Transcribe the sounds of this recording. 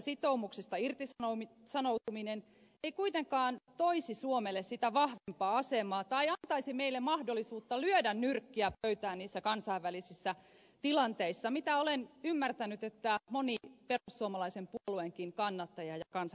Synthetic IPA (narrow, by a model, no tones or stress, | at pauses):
sit̪oumuksist̪ɑirt̪isɑo | sɑnout̪uminen | eikuit̪eŋkɑːnt̪oisisuomelːessit̪æʋɑhʋempɑːɑsemɑːt̪ɑijɑnt̪ɑisimeilːemmɑhdolːˑisuːt̪ːɑlyødænnyrkːiæpøyt̪æːnniːsːækɑnsɑiʋʋælisisːæ | t̪ilɑnt̪eisːɑmit̪æolenymːært̪ænyt̪et̪ːæmoniperusːuomɑlɑisempuolueŋkiŋkɑnːɑt̪ːɑjɑjɑkɑns